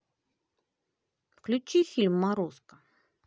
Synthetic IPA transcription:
fklʲʊt͡ɕifʲilʲmːaɾoskə̥

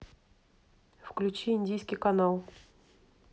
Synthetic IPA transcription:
fklʲʉt͡ɕiɪnʲdʲijskʲɪjkɐnalˠ

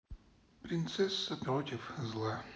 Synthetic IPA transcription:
pɾʲɪnt̪sɛsːəpɾot̪ʲɪfzlˠa

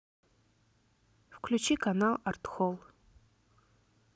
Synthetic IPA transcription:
fkʰlʲut͡ʃʰikanalˠart̪xolˠ

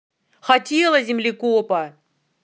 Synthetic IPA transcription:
xatʲelˠɐzʲɪmlʲikopɐ

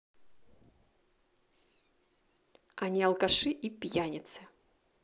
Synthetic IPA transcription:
anʲiɐlˠkaʂɨʔipʲjanʲɪt̪sɨ

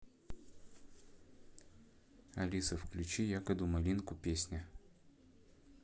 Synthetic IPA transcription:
ɐ̰lʲisəfklʲʉt͡ɕijakəd̪ʊmɐlʲinkʊpʲesʲnʲɪ

